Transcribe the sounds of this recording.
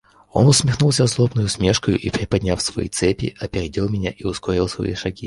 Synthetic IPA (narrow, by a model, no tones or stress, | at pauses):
o̞̰nʊsmʲɪxnulˠsʲazlˠobnəjʊsmʲe̞ʂkəjʊʔipɾʲɪpɐdʲnʲafsvɐ̰jḭt̪sɛpʲɪ̰ʔɐpʲɪɾʲɪdʲilˠmʲɪnʲaʔiʊsko̞ɾʲɪlˠsvɐ̰ḭʂɐɡʲi